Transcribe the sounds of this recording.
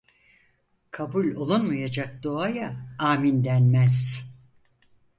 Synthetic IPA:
kʰabulʲo̞lˠunmajad͡ʒak̚d̪o̞ajaaːmind̪ænmæz̥

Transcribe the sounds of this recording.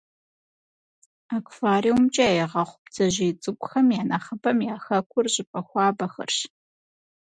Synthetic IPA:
akʷʰfaːɾiwmt͡ʃʼɐjɛʁɐχʷʊpd͡zɐʑiːt͡sʼɨɡʷʼʊxɐmjaːnaχɐbɐmjaːxɐkʷʰʼʊrʑɪpʼɐxʷɑːbɐxɐ̰rɕ

